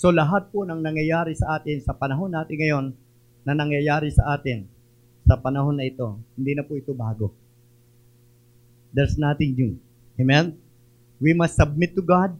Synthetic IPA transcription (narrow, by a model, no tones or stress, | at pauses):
so̞lɐɦat̪̚ponɐŋnɐŋjɐjaːɾɪsɐʔaːt̪ɪnsɐpɐnɐɦo̞nːaːt̪ɪnŋɐjo̞nː | ɐnɐŋjɐjaːɾɪsɐʔaːt̪ɪn | sɐpɐnɐɦo̞nːɐʔɪt̪o̞hɪnd̪inɐpʊʔɪt̪o̞baːɡo̞ | d̪ɛɹsnaːt̪ɪŋjʊŋ | ʔemɛn | wimɐst̪sːɐb̚mɪt̪ːʊɡad̪̚